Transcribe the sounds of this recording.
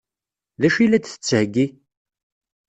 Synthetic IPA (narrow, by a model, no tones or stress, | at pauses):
ðæʃilæd̪θə̥t͡sːhəɡːi